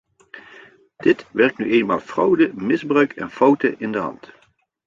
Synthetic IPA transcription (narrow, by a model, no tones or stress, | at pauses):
d̥ɪtʋɛɹk̚tnyʔejnma̰ːlˠfrɔwdəmɪzbrœɥkʰɛ̰nfɑwtəʔɪndəɦɑ̰nt